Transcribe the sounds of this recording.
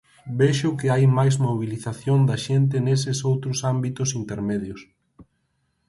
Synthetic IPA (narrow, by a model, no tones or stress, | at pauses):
bɛʃʊkɪajmajzmoβ̞iliθaθjond̪ɐʃent̪̬ɪnes̬ɪsowt̪ɾʊsambit̪ʊsint̪eɾmeðjʊs